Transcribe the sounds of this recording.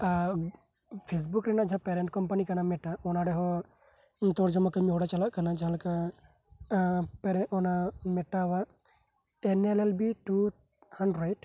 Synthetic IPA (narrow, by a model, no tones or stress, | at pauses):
pʰes̬bukɾɛnaʔd͡ʒʱapɛɾɛɳʈ̚kɔmpanikanamɛʈaɔnaɽɛɦɔ | t̪ɔɾd͡ʒɔmɔkəmiɦɔɽat͡ʃalaʔkanad͡ʒaɦãlaka | pɛɾɔnamɛʈawa | ɛnɛlɛlbiʈu | haɳɖɾajʈ